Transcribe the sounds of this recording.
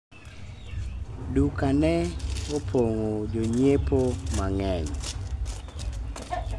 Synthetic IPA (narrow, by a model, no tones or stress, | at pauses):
dukanɛopʰoŋod͡ʒoɲepomaŋɛɲ